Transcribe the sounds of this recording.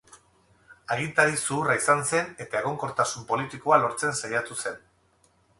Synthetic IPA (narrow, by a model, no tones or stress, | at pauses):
aɣint̪aɾisuːraisanse̞ne̞t̪ae̞ɣ̞o̞ŋko̞ɾt̪asumpo̞lit̪iko̞alo̞ɾt͡se̞nsajat̪use̞n